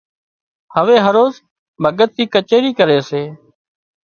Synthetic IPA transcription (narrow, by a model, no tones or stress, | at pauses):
həʋeːɦəɾoːz | bʱəɡət̪̚ːiːkət͡ʃeːɾiːkəɾeːseː